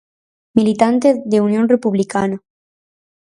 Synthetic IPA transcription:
milit̪ant̪eðeunjonrepuβlikana

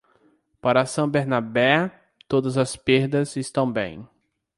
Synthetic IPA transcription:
paɾɐsɐ̃w̃beɾnabɛ | t̪od̪ɐzɐspeɾd̪ɐzɪst̪ɐ̃w̃bḛ̃j̃

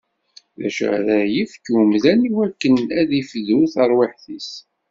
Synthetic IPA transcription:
ðæ̰ʃðæjifkumðæniwækːənæðiflːuθəɾˤwiħθis

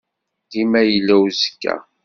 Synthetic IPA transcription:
d̪imæjəlːæwzə̥kːæ̰

